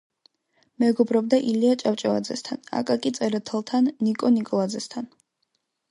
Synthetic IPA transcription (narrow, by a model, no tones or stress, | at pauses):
mɛɡɔbɾɔbd̪aʔiliat͡ʃʼaft͡ʃʼɔa̰d̪zɛ̰st̪ʰana̰kʼakʼit̪sʼɛɾat̪ʰɛlˠt̪ʰanːikʼɔnikʼɔlˠad̪zɛst̪ʰan